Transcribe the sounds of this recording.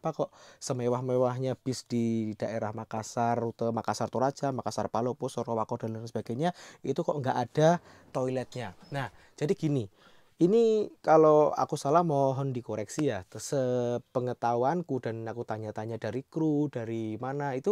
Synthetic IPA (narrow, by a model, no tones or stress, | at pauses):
pakɔʔsəmewahmewaɦɲab̥ɪsd̥id̥aʔeɾahmakasarut̪əmakasart̪uɾḁd͡ʒamakasarpalopʊsɔɾɔwakɔd̥anansəb̥aɡ̥ajɲait̪ukɔʔŋɡaʔad̥a | t̪ɔilɛt̪̚ɲanah | d͡ʒ̥adiɡ̥ini | inikaloa̰kusalahmɔɦɔndikoɾɛksijaht̪səpəŋət̪awankud̥anakut̪aɲat̪aɲad̥aɾikɾud̥aɾimanait̪u